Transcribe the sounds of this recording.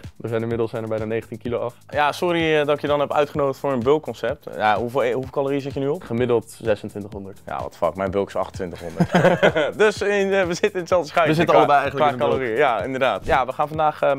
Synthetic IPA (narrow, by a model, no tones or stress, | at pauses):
dəzɛjnɪmɪdl̩ˠsɛjnəɹbɛjnaːnejχəntinkiloɑfjasʊɾiədɔkjədɑnɦɛpœ̰ɥtχənowdəχtfʊːɹənbølˠkːɔnsɛp̚tjaɦuvɦuəlˠkɑloːriəsɪtjənyɔpχəmɪdəlˠtz̥ɛsəntʋɪntəχɦɔndəɹtja̰ʋɑ̰tfɑ̰kmɛjnbølˠkɪ̥sɑ̰χtəntʋɪntəχɦɔndətdøsɪnʋəzɪtənɪnətsɛlˠdəsχajəzɪtəɑləbɛjɛjən̩ləaːkaloriəjaɪndəɹdaːtjaʋəχaːnfɑndaːχə